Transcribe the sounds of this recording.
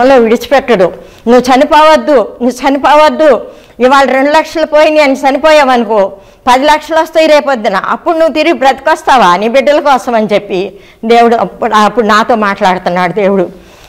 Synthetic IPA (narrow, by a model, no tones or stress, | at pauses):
ɐlːoːʋiɽit͡ʃu̥pɛʈːɐɽu | nuʋːt͡ʃɐnipɔːʋɐd̪ːunuʋːut͡ʃɐnipɔːʋɐd̪ːu | iʋaːɭɐɾe̞ɳɖulɐkʂɐlɐpoːjind̪iɐnit͡ʃɐnipoːjaːʋɐnukoː | pɐd̪ilɐkʂɐlɐst̪ejiɾeːpoːd̪ina̰ːʔɐpːuɽunuʋːut̪iɾiɡibɾɐt̪i̥kɔst̪aːʋaːnibiɖːɐlɐkɔːsɐmɐnit͡ʃepːi | d̪e̞ːwuɽuɐɐpːuɽunaːt̪o̞ːmaːʈlaːɽt̪unːaːɽud̪e̞ːwuɽu